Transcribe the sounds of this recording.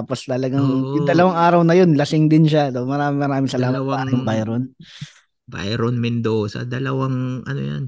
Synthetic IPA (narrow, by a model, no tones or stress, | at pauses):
apost̪ɐlɐɡaŋjʊŋd̪ɐlɐwaŋʔaːɾɐwnɐjonlɐsɪŋd̪ɪnʃat̪omɐɾaːmɪŋmɐɾaːmɪŋsɐlaːmɐt̪̚paːɾɐjʊŋbajɾon | ba̰jɾonmɪnd̪osɐ̰d̪ɐlɐwaŋʔɐ̰no̰ja̰n